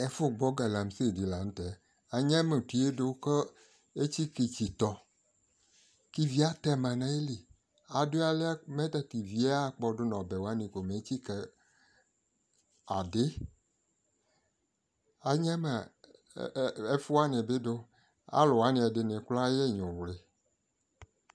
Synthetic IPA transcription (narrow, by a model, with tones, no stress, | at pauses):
e˨fʊ˦ɡ͡bɔ˦ɡa˨la˨m˨˦se˦˨di˨la˨ñ̩˦t̪ɛ˨˦ | a˨ɲã˦me˨ti˨˦e˦do˦ke˦ | e˦t͡ɕi˦ki˨t͡ɕi˨t̪ɔ˨ | ki˦vi˦a˦t̪ɛ˦mã˨nã˨e˦li˨ | a˨do˦a˨le˦a˦me˦t̪a˨t̪i˨vi˨˦a˦˨k͡pɔ˨do˦nɔ̃˨bɛ˨wa˦nĩ˨ko˨me˨˦t͡ɕi˦ke˨ | a̰˨dɪ˦ | a˨ɲã˦me˨ | e˦fu˦a˦nẽ˨be˦do˦ | a̰˦lo˨wa˦nĩ˨a˨de˨nẽ˨kla˦je˦ɲõ˨wle˨